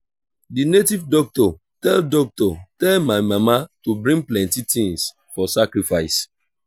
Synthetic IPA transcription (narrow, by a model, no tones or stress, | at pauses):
dinetivdɔk̚tɔ | tɛldɔk̚tɔtɛlmaɪmamatubɾĩŋplɛ̃ntitĩŋs | fɔsakɹifaɪs